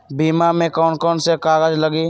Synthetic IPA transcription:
biːmamẽkɔːnkɔːnsekaːɣəd͡ʒləɡiː

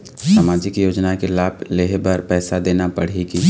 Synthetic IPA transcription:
saːmaːd͡ʒɪkjoːd͡ʒnakelaːbleɦbɐɾpɛːsad̪eːnapɐɽ̤iki

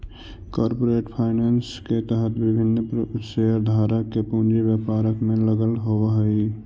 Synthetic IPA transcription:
kɔːɾpoːɾeːʈpʰaːɪneːnsket̪əɦət̪bɪbʱɪnːpəseəɾd̪ʱaːɾəkːepũnd͡ʒibjəpaːɾəkmẽləɡəlɦowɦəi

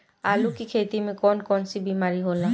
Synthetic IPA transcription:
alukikʰejt̪imikɔnkɔnsibimaɹiɦola

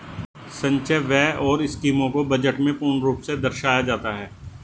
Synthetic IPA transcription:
sɐ̃ɲt͡ʃəʋɛːʔɔːɾɪskiːmõkobɐd͡ʒəʈmẽpuːɾɳɾuːpsed̪ɐɾʃaːjad͡ʒaːt̪aɦɛː

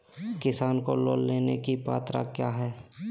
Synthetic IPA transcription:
kɪsaːnkolo̰ːlːeːnekipaːt̪ɾa̰kjaːɦɛː

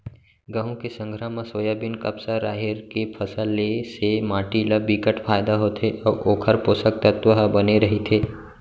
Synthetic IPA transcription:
ɡəɦũkesə̃ŋɡʱɾamãsoːjabɪnkɐpsaɾaːɦɪɾkepʰəsəlːesemaːʈiləbikəʈpʰaːjd̪aɦoːt̪ʰeʔɔːɾʔoːkʰəɾpoːsək̚t̪ət̪ʋəɦəbɐneɾɐɦet̪ʰeː

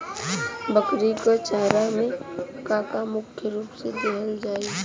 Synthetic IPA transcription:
bəkɾikot͡ʃaːɾamẽkaːkamʊkʰjəɾuːpsed̪eɦəld͡ʒaːi

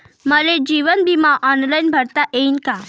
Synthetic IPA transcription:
məled͡ʑiʋənbʱimaʔɔnlajnbʱəɾt̪aʔeinka

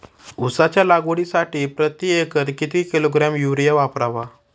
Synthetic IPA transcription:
usat͡ɕjalaɡoɽisaʈiːpɾət̪iekət̪kit̪ikiloɡɾamjuʋɾijaʋapɾaʋa

